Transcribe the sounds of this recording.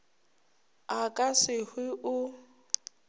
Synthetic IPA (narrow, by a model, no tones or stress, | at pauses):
akʼasɪhwɪʔʊ